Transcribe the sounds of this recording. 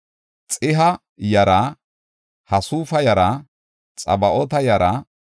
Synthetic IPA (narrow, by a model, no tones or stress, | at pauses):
t͡sʼɪɦɐ | jɐɾɐ | hɐsuːfɐjɐɾɐ | t͡sʼɐ̰bɐʔɔt̪ɐjɐɾɐ